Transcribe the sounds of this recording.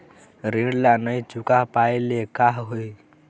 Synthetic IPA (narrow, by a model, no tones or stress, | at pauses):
ɾiɽlanəjt͡ʃukapaelekaɦɦoi